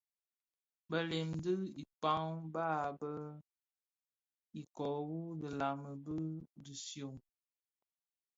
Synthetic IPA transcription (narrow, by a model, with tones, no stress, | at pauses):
bə˦le˨mdə˦i˨pa˦ŋbaː˦˨bə˦ | i˨kɔ˨wu˦də˨la˨mə˨bə˦di˨sjo˨ŋ